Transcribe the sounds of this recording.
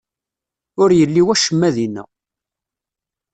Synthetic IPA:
ʊɾjəlːiwæʃəmːæðinːæ̰

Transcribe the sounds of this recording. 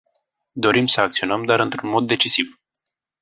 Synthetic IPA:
d̪o̞ɾimsəak̚t̪sio̞nəmd̪oaɾɨnt̪ɾunmo̞d̪ːe̞t͡ʃisiv

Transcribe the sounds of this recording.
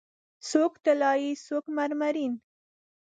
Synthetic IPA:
sokt̪alɑjisokmaɾmaɾin

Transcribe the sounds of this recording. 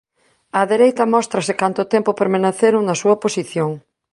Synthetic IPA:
ɐðeɾejt̪ɐmɔst̪ɾɐsɪkant̪ʊt̪empopeɾmenaθeɾʊnɐsuɐposiθjoŋ

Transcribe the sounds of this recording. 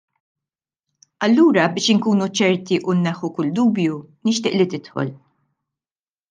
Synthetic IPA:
ɐlːuːɾɐbɪːʃɪŋkuːnut͡ʃɛɾt̪iʔunːɛħːukʊld̪uːbjunɪʃt̪ɪːʔlit̪ɪt̪ħɔ̰l

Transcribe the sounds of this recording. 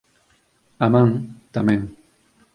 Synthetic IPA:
amãŋt̪amẽŋ

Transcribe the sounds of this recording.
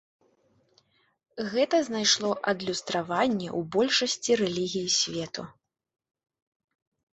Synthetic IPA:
ɣɛt̪ɐznajʂlˠɔʔɐd̪lʲust̪ɾavanʲːɛʔubɔlʲʂɐsʲt͡sʲiɾɛlʲiɣʲijisʲvʲɛt̪u

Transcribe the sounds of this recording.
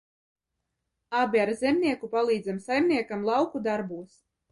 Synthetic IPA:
abʲiaɾzʲɛmnʲiɛkupalˠiːd̪zamsajmnʲiɛkamlˠɑwkud̪aɾbuːs

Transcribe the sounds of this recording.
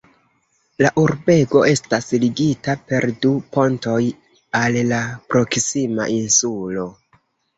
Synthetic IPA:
laʔuɾbe̞ɡo̞e̞stasliɡitape̞ɾdupo̞nto̞j | alːapɾo̞ksima̰ʔinsulo̞

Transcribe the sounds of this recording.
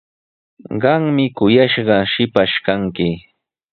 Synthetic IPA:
ɢɑŋmɪkʊjaʃɢɑʃɪpaʃkaŋkɪ

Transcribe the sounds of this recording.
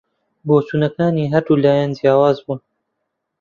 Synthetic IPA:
boːt͡ʃuːnɐkaːniːɦɐɾd̪uːlaːjɛnzjaːwaːzbuːn

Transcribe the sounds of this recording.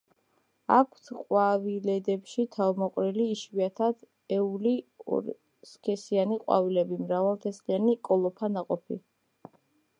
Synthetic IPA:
akʰt̪ʰqʼwavilɛd̪ɛpʃit̪ʰavmɔqʼɾiliːʃwiat̪ʰad̪̥ | ɛuliɔ̰ | skʰɛsianiqʼwa̰vilɛbimɾavalˠt̪ʰɛslianikʼɔlˠɔpʰanaqʼɔpʰḭ

